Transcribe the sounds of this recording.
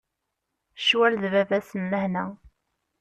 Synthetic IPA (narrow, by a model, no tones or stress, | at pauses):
ʃwælðvævæsənːəhnæ